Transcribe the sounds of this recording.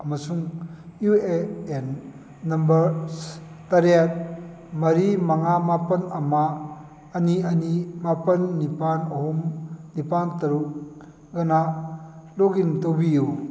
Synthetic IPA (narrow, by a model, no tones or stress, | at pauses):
amɐsuŋjueenː | ɐmbɐɾs | taɾat̚ | mɐɾimaŋamapɐnɐmaː | niɐnimapɐnːipanoɦumnipantɐɾuk | ɡana | loɡintowbiju